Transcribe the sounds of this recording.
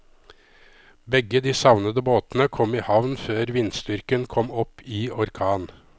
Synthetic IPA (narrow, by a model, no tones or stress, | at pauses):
bɛɡəd̪iːsɑʋnəd̪əboːt̪nəkʰɔmiːhɑʋnføːɾʋɪnst̪ʏɾkənkʰɔmɔpʰːiːɔɾkʰɑːn